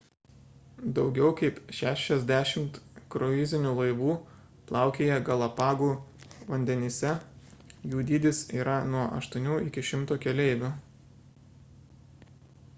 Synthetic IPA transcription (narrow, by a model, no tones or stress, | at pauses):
d̪ɒʊɡʲɛʊkɐɪpʃʲæːʃʲɛzʲd̪ʲæːʃʲɪmt̪kɾɔɪzʲɪnʲuːlˠɐɪʋuː | plˠɑˑʊkʲeːjɛɡɐlˠɐpɑːɡuːʋɐnʲd̪ʲɛnʲɪsʲɛ | juːd̪ʲiːd̪ʲɪsiːɾɐnuɔʔɐ̰ʃt̪uɔnʲuːɪkʲɪʃʲɪmt̪oːkʲɛlʲɛɪʋʲu